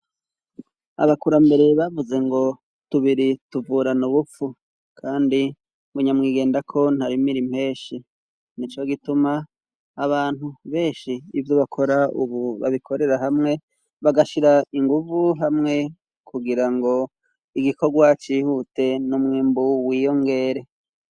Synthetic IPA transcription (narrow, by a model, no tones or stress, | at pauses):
a̰βakuɾambe̞ɾe̞βavuze̞ŋɡo̞ | tuβiɾituvuːɾanuβufu | kʰaːndi | βuɲamŋiːɡe̞ːndakʰo̞n̥haɾimiɾim̥he̞ːʃi | nit͡ʃoɡitumaː | βaːn̥huβe̞ːʃiːvjoβakʰo̞ɾaṵβuβa̰βikʰo̞ɾe̞ɾaɦamŋe̞ | βaɡaʃiɾaiŋɡuvuɦamŋe̞ | kʰuɡiɾaŋɡo̞ | iɡikʰo̞ɡwat͡ʃiːhute̞numŋiːmbuwiːjo̞ŋɡe̞ːɾe̞